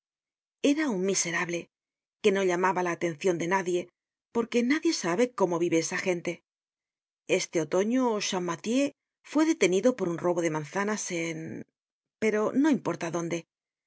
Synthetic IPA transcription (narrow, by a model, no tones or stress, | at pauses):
e̞ɾauŋmise̞ɾaβle̞ | ke̞no̞ʎamaβalaːt̪e̞n̟θjo̞nd̪e̞naðje̞ | po̞ɾke̞naðje̞saβe̞ko̞mo̞βiβe̞esaxe̞nt̪e̞ | e̞st̪e̞o̞t̪o̞ɲo̞ʃamːat̪je̞ | fwe̞ðe̞t̪e̞niðo̞po̞ɾunro̞βo̞ð̞e̞mãnθanasen | pe̞ɾo̞no̞impo̞ɾt̪aðo̞nd̪e̞